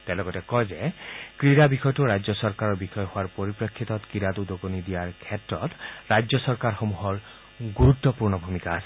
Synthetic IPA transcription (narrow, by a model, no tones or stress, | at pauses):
tɛlɔɡɔtɛkɔjzɛkɹiɾabixɔjtʊɹajd͡ʒjɔsɔɹkaɹɔɹbixɔjɔhowaɹpoɹipɹɔkʰːitɔtkɹiɾatudoɡonidijaɹkʰɛtɹɔtɹajd͡ʒɔsɔɹkaɹxomuɦɔɹ | ɡuɹut̪ːɔpuɹnɔbʱumikaːsɛ